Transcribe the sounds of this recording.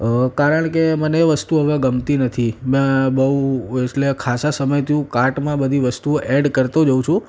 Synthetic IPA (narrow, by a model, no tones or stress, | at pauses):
kaɾəɳ̃keməneːʋəst̪uɦəʋãɡəmt̪inət̪ʰimẽbəũeʈlekʰasasəməjt̪ʰiũkaɾʈmãbəd̪ʱiʋəst̪uʔɛɖkəɾt̪od͡ʒəũt͡ʃʰũ